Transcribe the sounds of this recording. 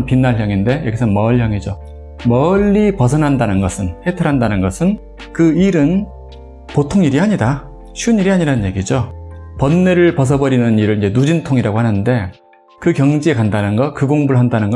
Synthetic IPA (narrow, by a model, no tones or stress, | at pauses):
npinːaɭɦjʌŋinde̞jʌɡisʰʌnmʌɭjʌŋid͡ʑo | mʌʎːipʌs̬ʰʌnɦandanɯnɡʌsʰɯnhe̞tʰʌɾɦandanɯnɡʌsʰɯn | kɯiɾɯn | potʰoŋiɾiaɲida | ɕʰuniɾiaɲiɾanɯnɲje̞ɡid͡ʑo | pʌnːe̞ɾɯɭpʌs̬ʰʌbʌɾinɯniɾɯɭind͡ʑe̞nud͡ʑintʰoŋiɾaɡohanɯnde̞ | kɯkjʌŋd͡ʑie̞kandanɯnɡʌkɯɡoŋbuɭɦandanɯnɡʌ